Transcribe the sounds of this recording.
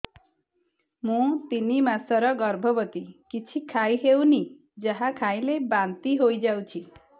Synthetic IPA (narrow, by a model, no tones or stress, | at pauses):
mũt̪inimasʌɾʌɡʌɾbʱʌbʌt̪ikit͡ʃʰikʰaj̃ɦewni | d͡ʒʌɦãkʰaĩlebant̪iɦojd͡ʒawt͡ʃʰi